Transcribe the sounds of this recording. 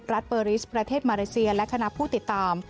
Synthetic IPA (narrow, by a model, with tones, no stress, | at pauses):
ɾa˦˥t̪̚pəː˧ɾiː˦˥spɾa˧t̪ʰeː˥˩t̪̚maː˧leː˧˥si˧ɐlɛ˦˥kʰa˧na˦˥pʰuː˥˩t̪i˨˩t̪ːaː˧m